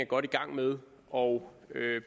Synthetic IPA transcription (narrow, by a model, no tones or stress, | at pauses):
æɡ̥ɒ̽ɾ̥iɡ̥ɑ̈ŋ̰með̞ˠ | ɒʊ | øb